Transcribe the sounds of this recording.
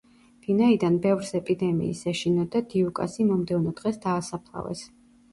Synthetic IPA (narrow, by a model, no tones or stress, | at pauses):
vinaid̪anbɛvɾsɛpʼid̪ɛmḭːsaʃinɔd̪ad̪iukʼa̰simɔmd̪ɛvnɔd̪̥ʁɛsd̪aːsapʰlˠa̰vɛ̰s